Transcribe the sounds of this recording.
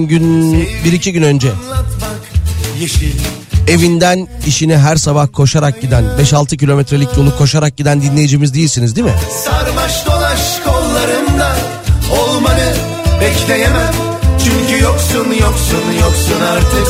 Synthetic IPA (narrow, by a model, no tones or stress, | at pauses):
mɟynbiɾicʰiɟynø̞nd͡ʒɛkjʃ | e̞vind̪æniʃiniɦæɾsabahkʰo̞ʃaɾak̚ɟid̪ænbɛʃalˠt̪ʰɯcʰilʲo̞mɛt̪ɾe̞lʲicjolˠukʰo̞ʃaɾak̚ɟid̪ænd̪inʲe̞jid͡ʒimizd̪ijilʲsinizd̪imɪsaɾmaʃd̪o̞nˠaʃkʰolˠːaɾɯnd̪a | olˠmanɯ | bɛclʲejemæn | t͡ʃʰyɲcʰyjoksunjoksunjoksunaɾd̪ʰɯ